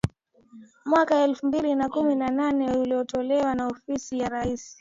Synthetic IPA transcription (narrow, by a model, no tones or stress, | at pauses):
mwakaɛlfumbilinakuminananɛuliɔtɔlɛwanaɔfisijaɾaisi̥